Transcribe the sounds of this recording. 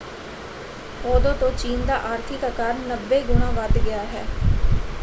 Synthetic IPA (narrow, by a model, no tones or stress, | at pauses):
oːd̪õːt̪õːt͡ʃiːnd̪aːʔaːɾt̪ʰɪːkəkaːɾnəbːeːɡʊɳãːʋəd̪ɡɪjaːɦɛ̰ː